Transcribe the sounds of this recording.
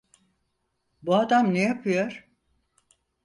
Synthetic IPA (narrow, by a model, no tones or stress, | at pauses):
buad̪amnejapʰɯjo̞ɾ̥